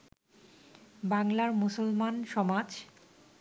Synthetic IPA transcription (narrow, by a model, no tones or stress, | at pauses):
baŋlaɾmusolmanʃɔmad͡ʑ